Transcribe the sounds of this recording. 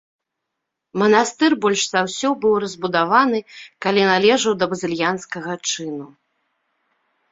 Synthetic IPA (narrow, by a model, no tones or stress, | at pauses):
mɐnast̪ɨrbɔlʲʂzawsʲɔbɨwrɐzʲbud̪avanɨkalʲinalʲɛʐɐwd̪ɐbɐzʲɨlʲjanskɐɣɐt͡ʂɨnu